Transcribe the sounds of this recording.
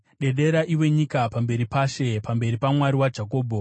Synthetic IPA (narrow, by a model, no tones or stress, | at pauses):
ɗe̞ɗe̞ɾaʔiwe̞ɲikapambe̞ɾipaʃe̞pambe̞ɾipamwaɾiwad͡ʒako̞ːbʱo